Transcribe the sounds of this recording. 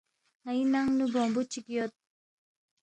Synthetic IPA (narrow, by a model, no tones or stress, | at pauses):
ŋajinaŋnubombut͡ʃikijot̪̚